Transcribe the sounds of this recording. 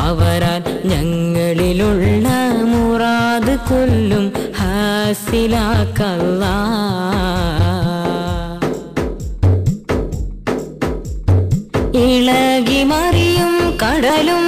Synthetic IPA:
ɐʋɐɾaːlɲɐŋːɐɭiluɭːɐmuraːðɨkolːumhasilaːkːɐlːa | iɭɐɣimɐrijumkɐɽɐlum

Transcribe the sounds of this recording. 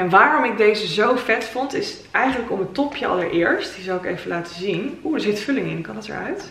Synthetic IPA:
ɛnʋaːrɔmɪɡ̚dejzəzowfɛtfʊntɪs | ʔɛjχənləkɔmətɔpʰjəʔɑ̰ləɹʔɪːɹstdizɑwɪkḛjvəlaːtə̥zinuəɹzɪtfɵlɪŋɪnkɑndɑtə̰ɹœ̰ɥt

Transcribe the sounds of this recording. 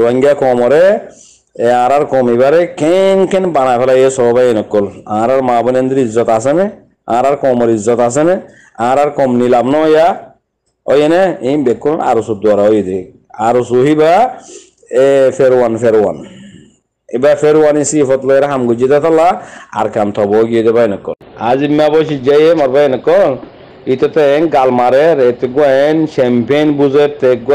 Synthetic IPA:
ɾuaŋɡʲakɔmɔɾe | ãɾaɾkɔmiβaɾɛkenkɛnbanafɛlajesɔbɔbajenɔkːɔlaaɾaɾmabɔnend̪iɾizɔt̪as̬ene | ã̰ɾaɾkɔmɔɾizːɔt̪as̬ene | ããɾaɾkɔmnilabnɔɔja | ɔ̰jeneibekːulɔna̰ɾusut̪̚d̪uaɾaɔjed̪i | aɾusuɦiba | feɾwanfeɾwa̰n | ibafeɾwanisifɔt̪lɔjaɾɛɦamɡɔd͡ʒid̪at̪alaa̰ɾkamt̪ʰɔbɔɡiɛd̪ɛbajnɔkːɔ̰lazimːabɔʃ̬id͡ʒajemɔɾbajɛnɔkːɔl | it̪ɛt̪ɛnɡalmaɾɛɾɛt̪ɛɡuaɛnʃɛmpenbuzeɾt̪ɛkɡ

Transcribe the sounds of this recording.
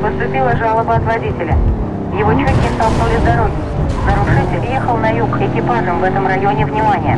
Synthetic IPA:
pəst̪ʊpʲilˠəʐalˠəbəɐt̪vɐdʲitʲɪlʲə | jɪvot͡ɕɵɪst̪ɐlˠknulʲɪzd̪ɐɾo̞ɡʲɪ | nəɾʊʂɛtʲɪjexəlˠnɐjukxɪkʲɪpanːəmvɛt̪əmrɐjo̞nʲɪvnʲɪmanʲɪjə

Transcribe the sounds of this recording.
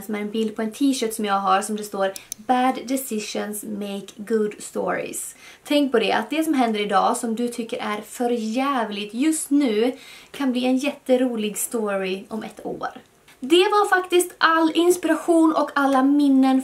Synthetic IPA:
sɔmæɾɛnbɪld̪̚pʰɔɛnt̪ʰiːʃœːʈ̪sɔmjɑːɡɦaɾsɔmd̪ɛst̪oːɾbæːd̪ːɛsɪʂənsmeɪkɡʊd̪st̪o̰ːɾɪ̰s | t̪ʰɛŋk̚pʰɔd̪ɛʔa̰t̪̚d̪ɛsɔmɦɛnd̪əɾɪd̪ɑːsɔmd̪ɵt̪ʰʏkːəɾʔæɾfœɾjæːvlɪt̪jɵst̪nʉ̟ːkʰanbliːɛnjɛt̪ːəɾuːlɪɡst̪oːɾɪʔɔmɛ̰t̪ːʰo̰ːɾ | d̪ɛvaɾfakt̪ɪst̪ʔalːɪnspɪɾaɧuːnʔɔkalːamɪnːən

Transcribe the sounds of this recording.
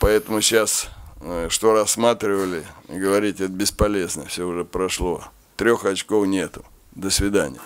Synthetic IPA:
pɐɛt̪əmʊɕas | ʂt̪o̞ɾɐsːmat̪ɾʲɪvəlʲɪɡəvɐɾʲitʲɛt̪əbʲɪspɐlʲeznəfsʲoʊʐɛpɾɐʂlˠo̞ | t̪ɾʲo̞xɐt͡ɕkofnʲet̪ʊ̥ | d̪əsvʲɪd̪anʲɪjə

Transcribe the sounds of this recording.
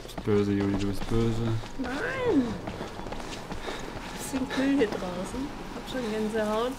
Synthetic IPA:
b̥øːzəjuːliduːbɪst̚b̥øːzənaɪn | sɪnkʰʏldədʁaʊsn̩ | haːbʃoːnɡanzəɦaʊt

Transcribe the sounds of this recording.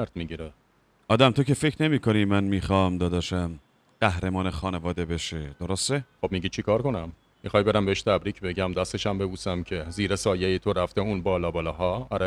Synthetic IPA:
æɾd̪miɟiɾe | ɒːd̪æmt̪ʰocefe̞cʰɾne̞miːkʰo̞nimænmiːxɒːmd̪ɒːd̪ɒːʃæm | ɢ̥æhɾemɒːnexɒːnevɒːd̪e̞beʃed̪oɾost̪exobmiɟit͡ʃʰikʰɒːɾko̞næmː | ixɒːjbe̞ɾæmbeeʃt̪ʰæbɾiːcʰbe̞ɟæmd̪æst̪e̞ʃæmbe̞buːsæmcʰe̞ziːɾesɒːjejet̪ʰo̞ɾæft̪e̞uːnbɒːlɒːbɒːlɒːɦɒːæɾæ

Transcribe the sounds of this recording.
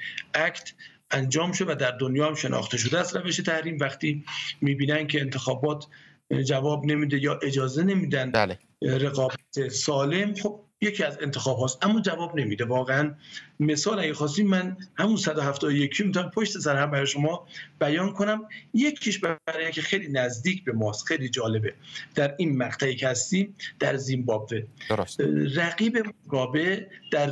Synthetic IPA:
ʔækʰt̪ʰ | ʔænd͡ʒɒːmʃod̪evæd̪æɾd̪onjɒːhæmʃenʔɒ̰ːxt̪ʰeʃ̬od̪eæst̪ɾæve̞ʃet̪ʰæhɾiːmvæxt̪iːmiːbiːnænkʲʰeːnt̪ʰexɒːbɒːt̪ʰ | d͡ʒævɒːbne̞miːd̪e̞jɒːʔe̞d͡ʒɒːze̞ne̞miːd̪ænd̪l | ɾe̞ɣɒːbæt̪ʰesɒːle̞mxob̥̚je̞cʰiːæze̞nt̪ʰexɒːbɦɒːst̪ʔæmːɒːd͡ʒævɒːbne̞miːd̪e̞vɒːɣeænme̞sɒːlæɡexɒːs̬iːmːænhæmunsæd̪oɦæft̪ɒːd̪ojekʰiːmit̪ʰopʰoʃt̪e̞sæɾhæmbæɾeʃo̞mɒːb̥æjɒːnkʰo̞næmjekʰiʃbææɾecʰexejliːnæzd̪iːcʰbe̞mɒːst̪xejliːd͡ʒɒːle̞be̞d̪̥æɾiːnmæqt̪ʰæiːcʰehæst̪iːmd̪̥æɾzimbɒːbvesræɣiːbe̞moɡɒːbe̞d̪̥æɾ

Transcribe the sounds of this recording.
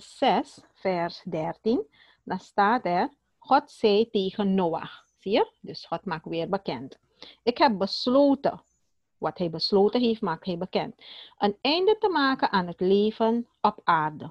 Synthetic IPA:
sɛs | fɛrsdɛrtin | dastaːtɛr | xɔtsɛjteːɣənːoːa̰x | siərdɵsxɔtmaːkʋɪːrbəkɛnt | ɪkɦɛp̚bəsloːtə̰ | ʋɑthɛjbəsloːtəɦeːftmaːk̚thɛjbəkɛntʔənɛjndətəmaːkəʔaːnɦətleːvən | ɔpaːrdə

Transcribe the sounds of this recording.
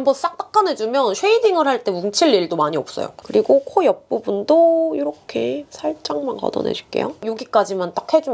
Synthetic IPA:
ambʌns͈ak̚t͈ak̚k͈anɦe̞d͡ʑumjʌnɕʰweidiŋɯɭhaɭt͈e̞muŋt͡ɕʰiɭːiɭdomaɲiʌp̚s͈ʌ̰jo̰kɯɾiɡokʰojʌp̚p͈ubundoiɾʌkʰe̞sʰaɭt͡ɕ͈aŋmankʌ̰dʌ̰nḛd͡ʑʰik͈e̞̰jo̰joɡik͈ad͡ʑimant͈ak̚he̞d͡ʑum

